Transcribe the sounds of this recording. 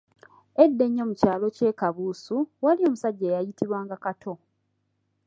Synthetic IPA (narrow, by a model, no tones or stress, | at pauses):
edːe̞ɲːo̞ːmucaːlo̞ce̞ːkaβuːsuwalio̞ːmusaɟːeːjajitiβwaːŋɡakatʰo̞